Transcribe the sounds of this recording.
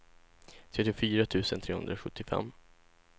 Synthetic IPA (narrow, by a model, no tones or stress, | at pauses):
t̪ʰɾɛt̪ːɪfyːɾat̪ʰʉ̟ːsənt̪ʰɾeːhɵ̰nd̪ɾaɧɵt̪ːɪfɛ̰mː